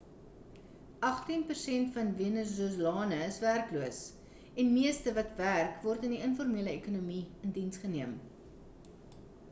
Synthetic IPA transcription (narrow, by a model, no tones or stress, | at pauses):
ʔɐχtinpərsɛntfɐnveənəzuəzlɑːnəəsværkluəs | ɛnmiəstəvɐtværkvɔrtəndiənfɔrmiələekunumiəndinsχəniəm